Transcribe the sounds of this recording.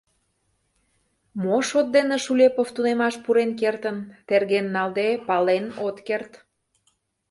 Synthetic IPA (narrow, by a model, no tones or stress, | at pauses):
moʃot̪̚d̪eneʃulʲepoft̪unemɑʃpuɾenk̬ert̪ənt̪erɣenːɑld̪epɑlenot̪kert̪